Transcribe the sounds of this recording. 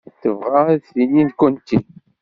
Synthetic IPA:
θəvʁaθininkunt̪i

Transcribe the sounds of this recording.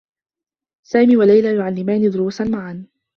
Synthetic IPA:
saːmiːwalajlaːjʊʕalːɪmaːnid̪ʊɾuːsanmaʕan

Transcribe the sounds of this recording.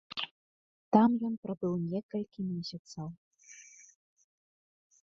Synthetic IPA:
t̪amjɔnpɾabɨwnʲɛkɐlʲkʲimʲɛsʲat̪sɐw

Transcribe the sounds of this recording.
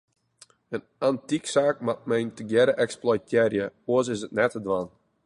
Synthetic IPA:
ənantiksaːk̚mat̚mɛjntəɡjɛɾəʔɛksplɔjtʰjɛrjəoəs̬ɪsətnɛtədʋan

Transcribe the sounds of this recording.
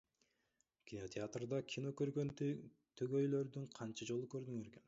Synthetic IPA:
kʲino̞t̪ʲʰeat̪rd̪ɑkʲʰinokøɾɡøn | t̪ʰøɡø̞jlø̞ɾd̪yɴqʰɑnt͡ʃɑd͡ʒo̞lˠukø̞ɾd̪yŋøɾken

